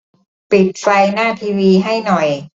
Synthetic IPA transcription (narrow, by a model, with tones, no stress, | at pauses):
pi˨˩t̪̚fa˧jnaː˥˩t̪ʰiː˧wiː˧ɦa˥˩jnɔ˨˩j